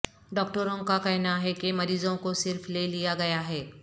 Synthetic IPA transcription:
ɖɔːk̚ʈəɾõkakɛɦnaɦɛkemɐɾiːzõkosɪɾflelijaɡɐjaɦɛː

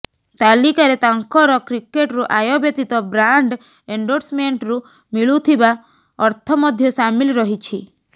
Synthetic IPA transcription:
t̪alikaɾet̪aŋkɔɾɔkɾikeʈɾuʔajɔbjet̪it̪ɔbɾaɳɖ | eɳɖoɾsmeɳʈɾu | miɭut̪ʰiba | ɔɾt̪ʰɔmɔd̪ʱjɔsamilɾɔɦit͡ʃʰi

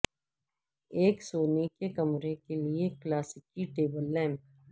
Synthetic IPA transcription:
eːksoːnikekɐmɾekelieklaːsɪkiʈeːbəlːɛ̃ːm

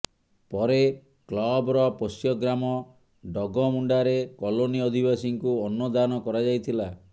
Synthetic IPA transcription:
pɔɾe | klɔbɔɾɔpɔsjɔɡɾamɔ | ɖɔɡɔmuɳɖaɾekɔloniɔd̪ʱibasiŋkuɔnːɔd̪anɔkɔɾad͡ʒajt̪ʰila

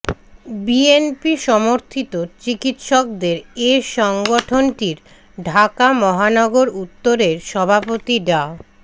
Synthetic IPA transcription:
bienpiʃɔmoɾt̪ʰit̪ot͡ɕikit̪ʃɔk̚d̪eɾeʃɔŋɡoʈʰonʈiɾ | ɖʱakamɔɦanɔɡoɾut̪ːoɾeɾʃɔbʱapot̪iɖa

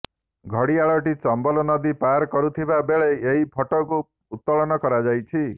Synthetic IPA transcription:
ɡʱɔɽiaɭɔʈit͡ʃɔmbɔlɔnɔd̪ipaɾkɔɾut̪ʰibabeɭeeɦipʰɔʈɔkuː | t̪ːɔɭɔnɔkɔɾad͡ʒajt͡ʃʰi

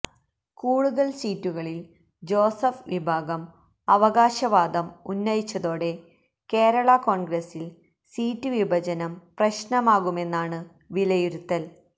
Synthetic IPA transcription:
kuːɽuðɐɭsiːtːuɣɐɭil | d͡ʑo̞ːsɐfʋibʱaːɡɐm | ɐʋɐɣaːɕɐʋaːd̪ɐmunːɐjit͡ɕːɐðo̞ːɽe̞ | ke̞ːɾɐɭɐko̞ːɳɡrɐsil | siːtːɨʋibʱɐd͡ʑɐnɐmprɐɕnɐmaːɣume̞nːaːɳɨ | ʋilɐjuɾut̪ːɐl

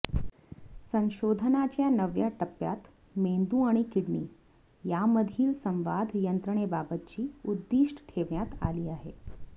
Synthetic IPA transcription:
sə̃nɕod̪ʱnat͡ɕjanəʋjaʈəpːja̰t̪ | mend̪ũaɽ̃ikiɽɳḭː | jaməd̪ʱiːlsə̃mʋad̪ʱjənt̪ɾəɳ̃ebabət̪̚t͡ɕiːud̪ːiʂʈʈʰeʋɳjat̪a̰liːaɦḛ

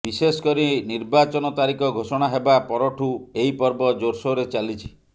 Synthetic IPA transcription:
bisesɔ̥kɔɾiniɾbat͡ʃɔnɔt̪aɾikɔɡʱosɔɽ̃aɦebapɔɾɔʈʰueipɔɾbɔd͡ʒoɾsɔɾet͡ʃalit͡ʃʰi̥

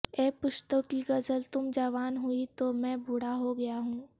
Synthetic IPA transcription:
ɛːpʊʃt̪əkːiɡɐzəlt̪ʊmd͡ʒaʋaːnɦuit̪omɛ̃ːbʱʊɽaɦoɡɐjaɦũː

